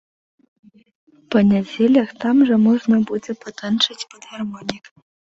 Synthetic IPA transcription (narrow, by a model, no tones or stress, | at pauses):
pɐnʲad͡zʲelʲɐxt̪amʐɐmɔʐnɐbud͡zʲɛpɐt̪ɐnt͡ʂɨt͡sʲpɐd̪ɣarmɔnʲik